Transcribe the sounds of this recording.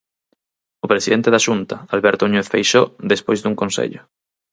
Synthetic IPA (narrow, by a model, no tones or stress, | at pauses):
opɾesiðent̪eðaʃunt̪aalβeɾt̪oɲuθfejʃoðespojzd̪uŋkonsḛʎo